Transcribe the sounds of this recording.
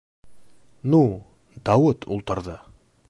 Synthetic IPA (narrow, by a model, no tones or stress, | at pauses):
nu | d̪awut̪ʰṵlˠt̪əɾd̪ə